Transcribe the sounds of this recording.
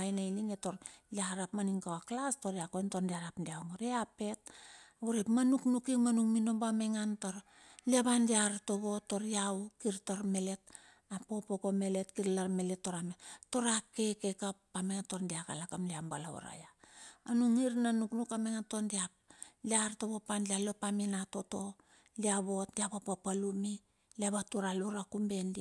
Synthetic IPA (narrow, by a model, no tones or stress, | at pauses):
ajnailiŋe̞to̞ɾliaɾapmaniŋkawaklasto̞ɾiakojntondiaɾapdiawŋoɾiape̞t̚uɾepmanuknukiŋmanuŋmino̞bame̞ŋantoɾ | liaβandiaɾto̞βo̞to̞ɾiawkiɾtaɾme̞le̞t̚ | apo̞poko̞me̞le̞tkiɾlaɾme̞le̞tːo̞ɾameto̞ɾake̞kekappameŋatondiaka̰lakamliambalao̰ɾa̰jaanuŋiɾnanuknukameŋantondiap̚liaɾto̞βo̞panlialo̞paminato̞to̞ | liaβo̞tdiabapopalumi | liaβatuɾaluɾakumbe̞ndi